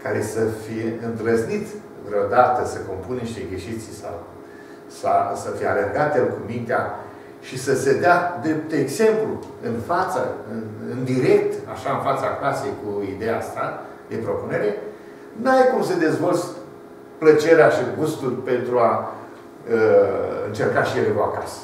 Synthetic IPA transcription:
kaɾe̞səfije̞ɨnd̪ɾəznit̪ | vɾeo̞d̪at̪əsəkompunniʃt̪eɡeʃit̪sʲsa̰w | sa̰səfijealerɡat̪elkumint̪ea | ʃisəse̞d̪ead̪ɾep̚t̪eɡze̞mpluɨnfat̪sə̰ɨnɨnd̪iɾe̞k̚t̪a̰ʃaɨnfat̪saklasejkuid̪ejast̪a | d̪e̞pɾo̞pune̞ɾe | nuajkumsed̪e̞zvolt̪s | plət͡ʃeɾeaʃiɡust̪ulpe̞nt̪ɾua | əɨ̰nt͡ʃe̞rkaʃijelekoakas

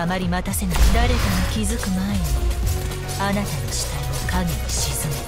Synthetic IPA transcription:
amaɾʲimat̪ase̞nad̪aɾe̞d̪amokʲizɨkɯ̟maeɲi | anat̪anoɕi̥t̪aiokaɡiniɕizɨnɯ

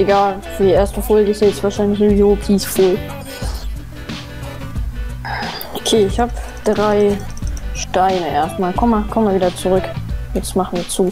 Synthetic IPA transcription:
ʔeɡaːlfydiʔeːɐstəfoːlɡəɪstɛːjɛt͡stv̥aːɐʃaɪnlɪçzoːvizokʰiːsfuːl | ʔokʰeːɪçhaːp | d̥ʁaɪ | ʃtaɪnəʔeːɐstmaːlkʰɔməmakʰɔmvaɐviːdɐt͡suʁʏkjɛt͡stmaχn̩viːɐt͡suː

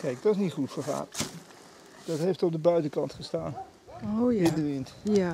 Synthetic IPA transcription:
kɛjk̚dɑɪsnitχutfəɹχa̰ːn | d̥ɑtɦejftɔp̚dəbœɥtəkɑntχəstaːn | ɪndəʋɪnt

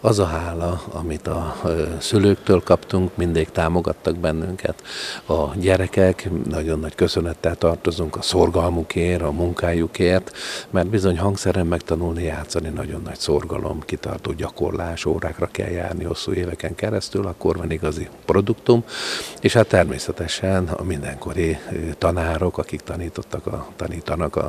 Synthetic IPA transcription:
ɒzɒɦaːlɒɒmit̪ɒsyløːkt̪øːlkɒpt̪uŋkmind̪iːkt̪aːmo̞ɡɒt̪ːɒɡ̚bɛnːyŋkɛ̰t̪ɒɟɛɾɛkɛknɒɟonːɒckø̞sønɛt̪ːɛlt̪ɒrt̪o̞zuŋkɒsorɡɒlmukʰeːɾɒmuŋkaːjukeːrt̪mɛrd̪̚bizo̞ɲɦɒŋɡksɛɾɛmːɛkt̪ɒnulnijaːt̪sːɒninɒɟo̞nːɒcso̞rɡɒlʔo̞̰mkit̪ɒ̰rt̪oːɟɒko̞̰rlaːʃo̰ːɾaːkrɒkɛ̰lja̰ːrniho̞sːṵːeːvɛkɛŋkɛɾɛst̪ylɒkːo̞rvɒniɡɒzipro̞d̪ukt̪umeːʃhat̪ːɛrmḛːsɛt̪ɛʃɛnɒ̰mind̪ɛŋko̞ɾit̪ɒnaːɾo̞kɒkikt̪ɒniːt̪o̞t̪ːɒkɒ̰t̪ɒniːt̪ɒnɒkɒ̰

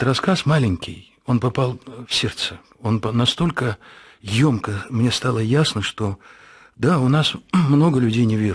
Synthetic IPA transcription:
ɾɐskasmalʲɪnʲkʲɪj | o̞npɐpalˠfsʲert̪sə | o̞npɐnɐst̪o̞lʲkə | jo̞mkəmnʲe̞st̪alˠəjasnəʂt̪o̞ | d̪aʊnasmno̞ɡəlʲʉdʲejnʲɪvʲeɾ

